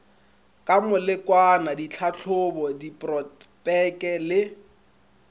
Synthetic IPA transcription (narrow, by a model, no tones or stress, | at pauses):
kʼamʊlɪkʼwanadit͡ɬʰaɬʰʊbɔdipʼrɔtpʼɛkʼɛlɪ